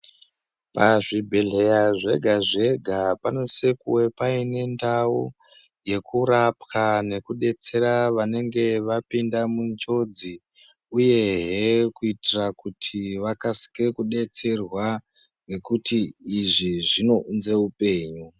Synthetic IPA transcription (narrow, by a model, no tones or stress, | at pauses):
paʐibʱeɮe̞jaʐe̞ɡʱaʐe̞ɡʱapano̞se̞kuwepaine̞ndau | je̞kuɾapkane̞kuɗe̞t͡se̞ɾaʋane̞ŋɡe̞ʋapindamunt͡ʃo̞d͡zi | uje̞ɦekuitirakutʰiʋakasi̥ke̞kuɗe̞t͡se̞rwa | ŋɡe̞kutiːʐiʐino̞unze̞upe̞ːɲu